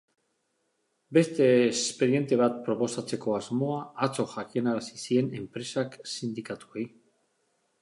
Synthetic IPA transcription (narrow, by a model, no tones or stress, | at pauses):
be̞st̪e̞ːspe̞ɾie̞nt̪e̞β̞at̪̚pɾo̞posat͡se̞ko̞azmo̞aːt͡so̞ʝakienaɾasisie̞ne̞mpɾe̞saksind̪ikat̪ue̞j